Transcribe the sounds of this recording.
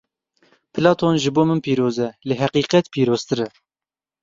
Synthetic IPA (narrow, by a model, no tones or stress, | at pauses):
pʰɨlɑːt̪ʰonʒɨboːmɨnpiːɾoːzɛlɪɦæqiːqɛt̪piːɾoːz̥t̪ɨɾɛ